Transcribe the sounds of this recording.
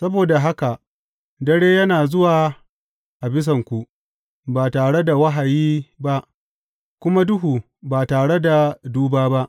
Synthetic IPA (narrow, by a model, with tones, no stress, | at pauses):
sɐ˦boː˨da˨ɦa˦ka˨ʔ | dɐ˦ɽeː˦jɐ˦naː˨zʊ˦waː˨ | ʔa˨bɪ˦s̬ɐ˨ŋkʷu˨ʔ | baː˨taː˨ɽe˦da˨wɐ˦ɦa˨jiː˦ba˦ʔ | kʷʊ˦ma˦dʊ˦ɦuː˨ | baː˨taː˨ɽe˦da˨duː˦baː˦ba˦ʔ